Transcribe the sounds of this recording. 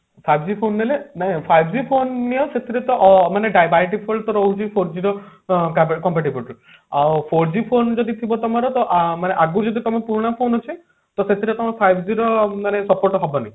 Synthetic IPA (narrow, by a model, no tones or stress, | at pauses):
pʰajbd͡ʒipʰonɦelenaɦĩpʰajbʱd͡ʒipʰonːijɔset̪ʰiɾet̪ɔʔmaneɖajbajʈipʰolt̪ɔɾɔɦud͡ʒʰipʰoɾd͡ʒiɾɔkakɔmpaʈibulʈu | awpʰoɾd͡ʒipʰond͡ʒɔd̪it̪ʰibɔt̪ɔmɔɾɔt̪ɔʔmaneʔaɡud͡ʒɔd̪it̪ɔmɔpuɾɽ̃apʰonɔt͡ʃʰi | t̪ɔset̪ʰiɾet̪ɔmɔɾɔpʰajbʱd͡ʒiɾɔmanesɔpoɾʈɔɦɔbɔnaj